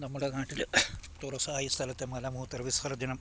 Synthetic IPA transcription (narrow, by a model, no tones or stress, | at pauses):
nɐmːuɽɐɡaːʈilɨt̪oːɾɐsɐaːjist̪ʰɐlɐt̪ːemɐlɐmuɦut̪ɐɾʋishɐɾɐd̪inɐm